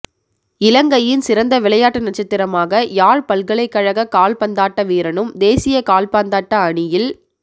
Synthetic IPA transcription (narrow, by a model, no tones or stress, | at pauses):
ɪlɐŋɡɐjɪnsɪɾɐnd̪ɐʋɪlɐjaːʈːɐnɐʈt͡ʃːɐt̪ːɪɾɐmaːɣɐjaːɻpɐlɣɐɭɐɪkːɐɻɐɣɐkaːlpɐnd̪aːʈːɐʋiːɾɐɳɯmd̪eːsɪjɐkaːlpaːnd̪aːʈːɐɐɳɪjɪl